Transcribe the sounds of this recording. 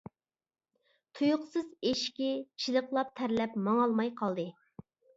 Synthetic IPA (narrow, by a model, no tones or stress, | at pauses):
t̪ʰujʊqsɨzeʃkʲit͡ʃʰilˠəqlˠɑp̚t̪ʰæɾlɛpmɑŋɑlˠmɑjqʰɑlˠd̪ɨ